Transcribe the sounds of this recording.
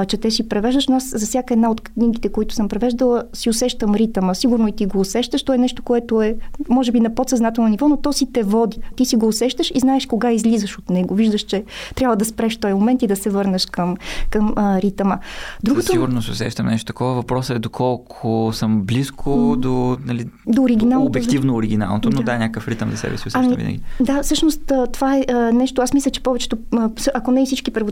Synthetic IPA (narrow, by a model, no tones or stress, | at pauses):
t͡ʃɛt̪ɛsipɾɛvɛʒd̪əʃnʊaszɐfsʲjakəɛd̪naot̪knʲiɡit̪ɛkoit̪ʊ̥sɤmpɾɛvɛʒd̪əlˠəsiʊsɛʃt̪əmɾit̪əməsiɡuɾnoit̪iɡoːsɛʃt̪əʃt̪ɔɛnɛʃt̪o̥koɛt̪oɛmɔʒɛbinɐpot̪sɐznat̪ɛlˠnonivɔnot̪ɔsit̪ɛvɔd̪it̪isiɡoːsɛʃt̪əʃiznaɛʃkoɡaizlizəʃot̪nɛɡoviʒd̪əʃt͡ʃɛt̪ɾʲabvəd̪ɐspɾɛʃt̪ɔjmomɛnt̪id̪ɐsɛvɤɾnəʃkəmkəmɾit̪əməd̪ɾuɡosoiɡuɾnoso̰sɛ̰ʃt̪əmnɛʃt̪o̥t̪ɐ̥kʰɔvəvɐpɾɔsəɛd̪okʰɔlˠkʰʊsəmbliskʰod̪onɐlid̪oːɾiɡ̟inalˠnːob̪ɛkkt̪ivnoːɾiɡʲina̰lˠnot̪onod̪aɛnʲakəkəfɾit̪əmzɐsɛ̰bɛ̰siosɐmivḭnə̰ɡʲid̪afsɤʃnost̪ət̪ovaɛʔənɛʃt̪oasmislʲət͡ʃɛ̥pɔvɛt͡ʃɛ̥t̪osʔɐkonɛfsit͡ʃkipəɾvo